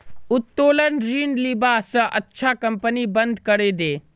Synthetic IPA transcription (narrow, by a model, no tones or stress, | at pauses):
ʊt̪ːoːlənɾiːɳɖliːbaːsɐʔɐtːʃʰakɐ̃mpənibɐ̃nd̪ʱkɐɾeːd̪eː